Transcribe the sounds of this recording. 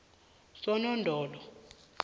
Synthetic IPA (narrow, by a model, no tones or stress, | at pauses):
sɔnɔndʱɔːlɔ